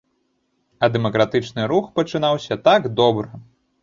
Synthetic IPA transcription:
ɐd̪ɛmɐkɾat̪ɨt͡ʂnɨɾuxpɐt͡ʂɨnawsʲɐt̪aɡd̪ɔbɾɨ

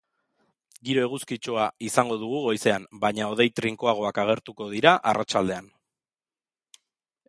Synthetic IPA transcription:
ɡiɾo̞e̞ɣ̞uskit͡ʃo̞aisaŋɡo̞ð̞uɣ̞uɣo̞jse̞ambaɲao̞ð̞e̞jt̪ɾiŋkoaɣ̞o̞akaɣ̞e̞ɾt̪uko̞ð̞iɾaʔarat͡ʃald̪e̞an

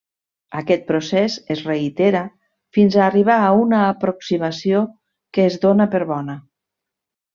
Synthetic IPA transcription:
akɛt̪̚pɾosɛsezreit̪eɾa | finzaːriβ̞aːunaːpɾoksimasio | kəːzðonəpəɾβɔnə

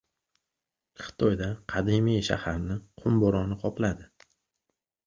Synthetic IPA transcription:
χɨ̥t̪ʰɒjd̪aqʰɑd̪imijʃa̰haɾnɪqʰʊmbɒɾɒnɪqʰɒplad̪ɪ

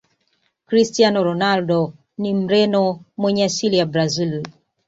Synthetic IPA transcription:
kɾistianɔɾɔnaldɔ | nim̩ɾɛnɔmwɛɲɛasiliabɾazil

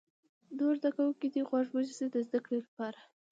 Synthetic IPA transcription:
d̪oɾd̪akawukid̪iɣwɑʐbuzised̪əzd̪akɽelapɑɾa

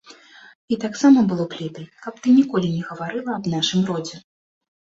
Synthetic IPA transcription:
it̪aksamɐbɨlˠɔplʲit̪ɨjkɐpt̪ɨnʲikɔlʲinʲɛɣɐvaɾɨlˠɐːbnaʂɨmrɔd͡zʲɛ

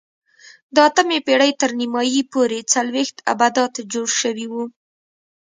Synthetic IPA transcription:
d̪ɑt̪əmepeɽəjt̪əɾnimɑjipoɾet͡salwext̪a̰bad̪ɑt̪d͡ʒoɽʃəwiwu

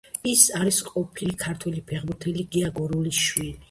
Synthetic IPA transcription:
isaɾisqʼɔpʰilikʰaɾt̪ʰwɛlipʰɛʁmuɾt̪ʰɛliɡɛaɡɔɾuliʃwili

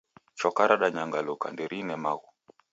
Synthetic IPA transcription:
t͡ʃɔkaɾaɗaɲaŋɡalɔka̰ndɛɾinɛmaɣu

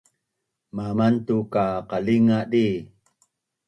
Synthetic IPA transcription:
mamant̪ukaqaliŋaɗi

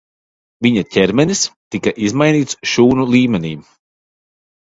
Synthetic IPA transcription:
viɲacʲɛɾmɛnist̪ikaʔizmajniːt̪sʃuːnulˠiːmɛnḭː

